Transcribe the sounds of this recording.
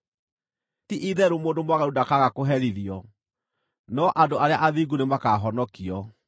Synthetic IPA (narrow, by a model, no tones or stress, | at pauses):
tiʔiðɛɾumoːndomwaɣaudakaɣakoɦɛɾiðiɔ | nɔʔadoaɾeaʔaðiɡunemakaɦɔnɔkiɔ